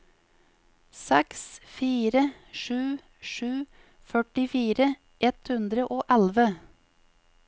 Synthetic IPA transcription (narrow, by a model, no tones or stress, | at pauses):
sɛksfiːɾə | ʃʉː | ʃʉː | fœʈɪfiːɾə | ʔɛt̪hʉnd̪ɾəʔoːʔælʋə